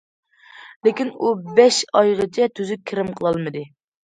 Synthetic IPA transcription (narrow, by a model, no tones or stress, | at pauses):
lɪkʲinubɛʃɑjʁət͡ʃʰɛt̪ʰyzykʲʰɪɾɪmqʰəlˠɑlˠmɨd̪ɨ